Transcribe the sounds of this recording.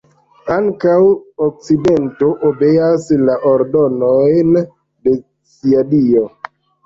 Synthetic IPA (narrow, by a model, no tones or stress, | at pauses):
aŋkawok̚t͡side̞nto̞ʔobeaslaʔoɾdo̞nojn | de̞ | siadio